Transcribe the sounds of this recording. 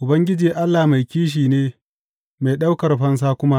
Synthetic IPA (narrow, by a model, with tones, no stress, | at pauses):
ʔʊ˨bɐ˦ŋɡʲɪ˦d͡ʒiː˨ʔa˦lːa˨ma˨jkʲiː˦ʃ̬iː˨neː˦ | ma˨ɗa˦wkɐ˨rɸɐ˦ns̬aː˦kʷʊ˦ma˦ʔ